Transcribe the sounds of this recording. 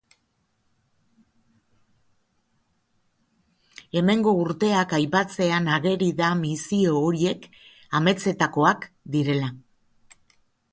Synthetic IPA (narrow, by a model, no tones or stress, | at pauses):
e̞me̞ŋɡo̞uɾt̪e̞akajpat͡se̞anaɣe̞ɾiðamisio̞ːɾie̞k | ame̞t͡se̞t̪ako̞ak | d̪iɾe̞la